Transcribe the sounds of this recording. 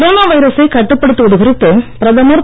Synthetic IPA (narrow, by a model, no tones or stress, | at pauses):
ɾoːnaːʋɐjɪɾɐsɐɪkɐʈːɯpːɐɽɯt̪ːɯʋɐðɯɣɪɾɪt̪ːɯpɪɾɐðɐmɐɾ